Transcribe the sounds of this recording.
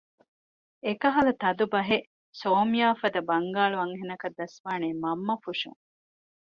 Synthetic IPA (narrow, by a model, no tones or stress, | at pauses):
ekɐɦɐlɐt̪ɐd̪ubɐɦe | soːmijaːfɐd̪ɐbɐŋɡaːɭuɐŋɦenɐkɐd̪ːɐsʋaːneːmɐmːɐfuʃṵŋ